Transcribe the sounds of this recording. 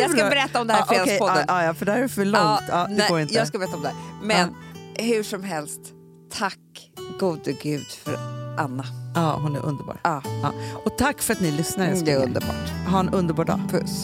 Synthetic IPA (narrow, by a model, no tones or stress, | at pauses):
jɑfabɛɾɛt̪ːaɔmd̪ɛhɾfenɛɛpɔd̪ʔɑːjɑfœɖɛhæɾɛfœɭɔŋt̪ɑːd̪ɛɛɡoːɾɪnj̪ɑːɡskabɛɾɛt̪ːaɔmd̪ɛhæmɛnhʉ̟ʂɔmɦɛlst̪ʰː | akːɡ̥uːd̪əɡʉ̟ːd̪̥fœɾʔa̰nːaɑːɦʊnæ̰ɾʔɵ̰nd̪əɾbɑ̰ːɾɑːɑ̰ːɔt̪ʰakːfœɾat̪̚nɪlʏsnaɾjsɵnd̪əɾbɑ̰ːʈɦanɵnd̪əɾbɑːɖɑ̰ːpʰɵs